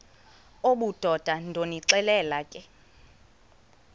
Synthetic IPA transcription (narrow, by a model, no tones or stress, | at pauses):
oɓud̥ʱɔd̥ʱandʱoniǀɛlɛːlakʼɛ